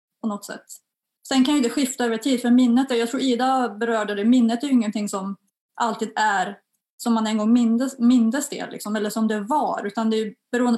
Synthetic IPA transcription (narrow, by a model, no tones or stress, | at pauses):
pʰɔnɔt̪ːsɛ̰t̪ː | sɛnkʰanjʏɪnt̪əɧɪft̪aøːvəɾt̪ʰiːd̪fœɾmɪnːət̪ɛjɑɡt̪ʰɾuːɾiːd̪abɛɾœːɖəd̪ɛmɪnːət̪æjɪŋːənt̪ɪŋsɔm | ʔalt̪ʰiːd̪æɾ | sɔmːanɛnɡɔŋːmɪnəmɪnd̪ɾəst̪ḛːllːɪ̰ksɔmɛlːəʂɔmd̪ɛvɑɾʉ̟ːt̪and̪ɛjʏbɛɾuːənd̪